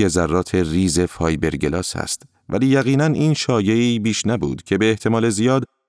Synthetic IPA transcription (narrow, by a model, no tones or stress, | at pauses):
ezærːɒːt̪ʰe̞riːze̞fɒːjbe̞ɾɟelɒːshæ̰st̪ | væ̰liːjæɣiːnænʔiːnʃɒːje̞iːbiːʃnæbṵːd̪̥cʰe̞be̞ːht̪ʰe̞mɒːle̞zijɒːd̪